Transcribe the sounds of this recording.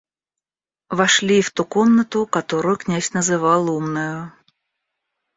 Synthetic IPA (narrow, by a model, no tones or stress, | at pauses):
vɐʂlʲift̪ukomnət̪ʊkɐt̪oɾʊjʊknʲæsʲnəzɨvɑlˠumnʊjʊ